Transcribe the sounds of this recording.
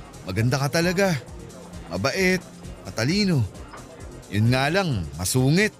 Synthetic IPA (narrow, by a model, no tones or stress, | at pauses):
mɐɡɐnd̪akɐt̪ɐlɐɡa | mɐ̰bɐʔɛt̪̚mɐt̪ɐliːno̞ | jʊnŋaːlaŋmɐsuːŋɪt̪̚